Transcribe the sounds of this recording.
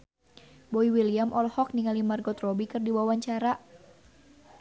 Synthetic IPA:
boiwilijamʔɔlhɔk̚niŋalimarɡɔt̪rɔbikɨrdiwawaɲt͡ʃaɾa

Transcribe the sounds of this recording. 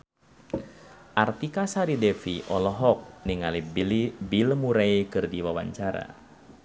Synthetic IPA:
ʔart̪ikasaɾidɛfiʔɔlɔɦɔk̚niŋalibilmuɾajkɨrdiwawaɲt͡ʃaɾa̰

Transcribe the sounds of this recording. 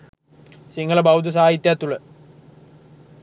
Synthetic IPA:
siŋɡɐɭɐbɐwd̪ʱɐs̬aːɦit̪jat̪ːuɭɐ

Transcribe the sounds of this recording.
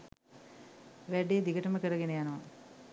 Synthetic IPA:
ʋæɖeːd̪iɡəʈəməkəɾəɡenejanəʋa

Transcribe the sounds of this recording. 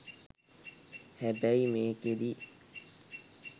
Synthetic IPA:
hɛbɛimeːkeɾi

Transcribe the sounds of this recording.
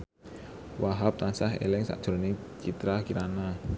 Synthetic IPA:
waɦap̚t̪ansaɦḛlɪŋsa̰ʔd̥ʒ̥ɾonɪŋt͡ʃit̪ɾakiɾana

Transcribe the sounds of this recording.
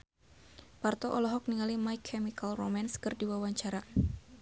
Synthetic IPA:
part̪ɔʔɔlɔɦɔk̚niŋalimajkʰːɛmikalromanskɨrdiwawaɲt͡ʃaɾa

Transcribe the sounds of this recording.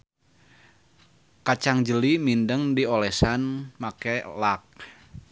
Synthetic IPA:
kat͡ʃaŋd͡ʒəlimindəŋdiolɛsanmakɛlak̚

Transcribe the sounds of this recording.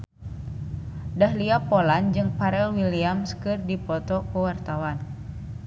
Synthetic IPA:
daɦliapɔland͡ʒɨŋpaɾɛlwiliamskɨrdipɔt̪ɔkuwart̪awan

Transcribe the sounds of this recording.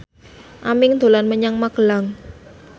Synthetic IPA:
ʔamɪŋd̪̥o̤lanməɲaŋmaɡ̥əlaŋ

